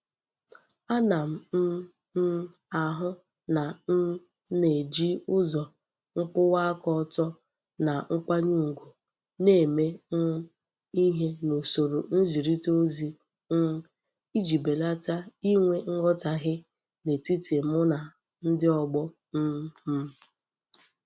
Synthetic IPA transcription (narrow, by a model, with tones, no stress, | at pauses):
a˦na˨m̩˨˦ | n̩˦ | a˨ɦʊ˦ | na˨n̩˦ | ne˨d͡ʒi˦ʊ˦zɔ˨ | ŋ̩˦k͡pʊ˦wa˦kɔ˦˨tɔ˦ | na˨ŋ̩˦k͡pʷa˦ɲu˦ŋ̩˨ɡu˨ | ne˦˨me˦n̩˦ | i˦ɦe˦no˨so˨ɾo˨n̩˦zi˨ɾi˦to˦zi˦ | i˦d͡ʒi˨be˨la˦ta˦i˦ŋʷe˦ŋ̩˦ɡɔ˦ta˨ɣɪ˦ | ne˨ti˦te˨mʊ˦na˨ | n̩˦dɪ˦ɔ˨ɡ͡bɔ˦ | m̩˦m̩˦